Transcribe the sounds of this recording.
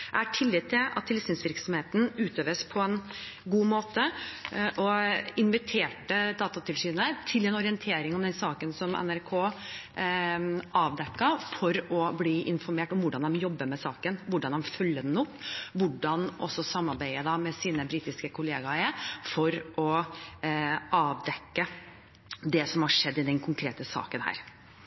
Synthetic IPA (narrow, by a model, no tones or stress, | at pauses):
ææʈʰɪlːɪːt̪ʰːɪlɑt̪ʰːɪlsyːnsʋɪɾksɔmheːt̪n̩ʉːt̪øːʋəspʰɔɛn | ɡuːmoːt̪əʔɔɪnʋɪt̪ʰeːʈəd̪ɑːt̪ɑt̪ʰɪlsyːnət̪ʰɪlɛnɔɾɪɛnt̪ʰeːɾɪŋɔmd̪ɛnsɑːkənsɔmɛ̰næɾkʰoː | ʔɑːʋd̪ɛkːɑfɔɾɔbliːʔɪnfɔɾmeːʈɔmʋʊɖɑnd̪ɛmjɔbːəmɛsɑːkənʋʊɖɑnd̪ɛmfœlːəd̪ɛnʊpːʋʊɖɑnʔɔ̰sɔsɑmːɑɾbæɪəd̪ɑmɛsiːnəbɾiːt̪ɪskəkʰʊleːɡɑɛfɔɾʔɔ | ʔɑːʋd̪ɛkːə | d̪ɛsɔmhɑʂɛd̪ːɪd̪ɛnkʰʊŋkʰɾeːt̪əsɑ̰ːkənhæ̰ːɾ